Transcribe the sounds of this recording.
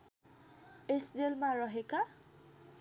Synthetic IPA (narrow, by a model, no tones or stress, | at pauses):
esdelmaɹɔɦika